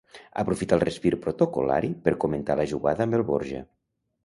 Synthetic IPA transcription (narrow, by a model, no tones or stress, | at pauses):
ə̰pɾufit̪alˠrespiɾpɾot̪okola̰ɾipəɾkoment̪aləʒuɣaðəəmbelˠβoɾʒə̰